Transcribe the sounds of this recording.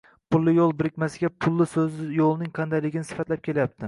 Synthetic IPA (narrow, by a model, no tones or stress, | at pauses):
pʰʊlˠːɪjolˠbɪɾɪkʲmasɪɡʲapʰʊlˠːɪsɵzjolˠnɪŋqʰɑnd̪ajlɪɡʲɪnɪsɪ̥fat̪lap̚kʲʰe̞lajap̚t̪ʰɪ